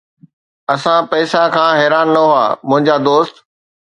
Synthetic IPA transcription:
ɐsãpɐːsãkʰãːɦɛːɾaːnːɐɦʊa̰ːmʊ̃ɦɪ̃ɲd͡ʑad̪oːst̪

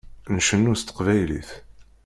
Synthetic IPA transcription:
nʃənːʊst̪ːə̥qvæjlḭθ

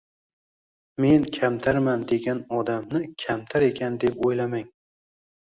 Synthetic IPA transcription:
me̞nkʲʰamt̪ʰaɾmand̪e̞ɡʲanɒd̪amnɪkʲʰamt̪ʰaɾe̞kʲʰand̪e̞pojlamaŋ

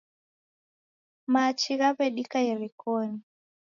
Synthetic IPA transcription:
mat͡ʃiɣaβɛɗikajɛɾikɔni

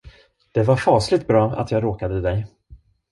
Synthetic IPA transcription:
d̪̥ɛvaɾfɑːslɪɡ̚t̪̚bɾɑːa̰t̪ʰjɑːɡɾoːkad̪əd̪ɛj

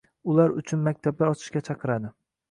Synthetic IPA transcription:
ʊlaɾʊ̰t͡ʃʰʊnmakʲt̪ʰab̚laɾɒt͡ʃʰɪ̥ʃkʲat͡ʃʰɑqʰɨɾad̪ɪ

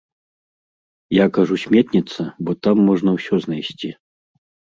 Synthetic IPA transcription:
jakaʐusʲmʲɛt̪nʲit̪sɐbɔt̪amːɔʐnɐwsʲɔznajsʲt͡sʲi

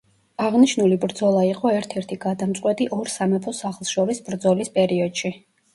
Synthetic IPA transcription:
aʁniʃnulibɾd̪zɔlˠaiqʼɔɛɾt̪ʰɛɾt̪ʰiɡad̪amt̪sʼqʼwɛt̪ʼiʔɔɾsamɛpʰɔsaχlˠʃɔɾisbɾd̪zɔlispʼɛɾiɔd̪̥ʃi

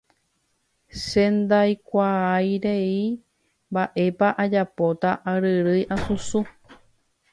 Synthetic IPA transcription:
sẽnd̪ajkʷaajɾe̞i | mbaʔe̞paʔad͡ʒapot̪aʔaɾɨɾɨjʔasusu

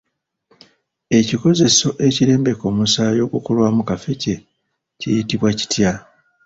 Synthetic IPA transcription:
e̞ciko̞ze̞so̞ʔe̞ciɾe̞ːmbe̞ko̞ːmusaːjo̞ːɡukulwaːmukafe̞ce̞ | cḭjitiβwaci̥tja

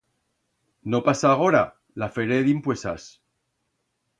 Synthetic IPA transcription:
nopasaːɣ̞oɾa | lafeɾeðimpwesas

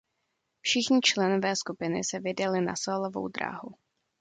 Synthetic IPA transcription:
fʃɪxɲɪt͡ʃlɛnovɛːskupɪnɪsɛvɪdalɪna̰soːlovo̰wd̪ɾa̰ːɦu

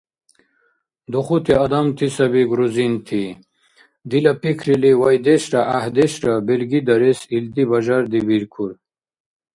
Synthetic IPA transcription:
d̪uχut̪ʰiɐd̪amt̪ʰisɐbiɡɾuzint̪ʰi | d̪ilɐpikʰɾiliwajd̪eɕɾaʔahd̪eɕɾabelɡid̪ɐɾesild̪ibaʑaɾd̪ibiɾkʰuɾ

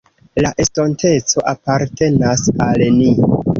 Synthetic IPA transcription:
laʔesto̞ntʰe̞t͡so̞ʔapaɾtʰe̞nasalni

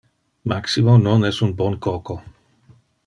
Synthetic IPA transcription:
maksimononɛsunbonkoko

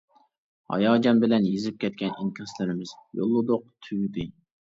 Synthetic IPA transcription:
ɑ̰jɑːd͡ʒɑmbɪlɛnjezɪp̚kʲʰɛt̪̚kʲɛniŋkʲʰslɪɾɪmɪz̥jo̰lˠːʊd̪ʊq̚t̪ʰyjd̪ɪ

